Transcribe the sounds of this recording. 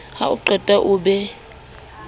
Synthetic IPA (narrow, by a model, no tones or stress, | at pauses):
ha̰uǃʱɛtʼaʔuːɓɛ